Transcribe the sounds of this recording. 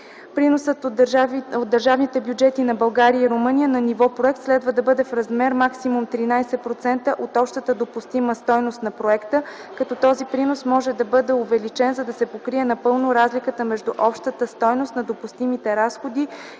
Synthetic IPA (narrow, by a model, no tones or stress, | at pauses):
pɾinosət̪ | od̪ːəɾʒavnit̪ɛbjud͡ʒɛt̪inɐbɐlˠɡaɾiəiɾomɤnijənɐnivɔpɾoɛk̚t̪slɛd̪vəd̪ɐbɤd̪ɛfɾɐzmɛɾmaksimumt̪ɾinajsɛpɾot̪sɛnt̪əʔot̪ɔpʃt̪ət̪əd̪opust̪iməst̪ɔjnost̪nɐpɾoɛkt̪ə | kɐt̪ɔt̪ɔzipɾinosmɔʒɛd̪ɐbɤd̪ɛovɛlit͡ʃɛnzɐd̪ɐsɛpokɾiɛnɐpɤlˠnoɾazlikət̪əmɛʒd̪uʔɔpʃt̪ət̪əst̪ɔjnost̪nɐd̪opust̪imit̪ɛɾasxod̪i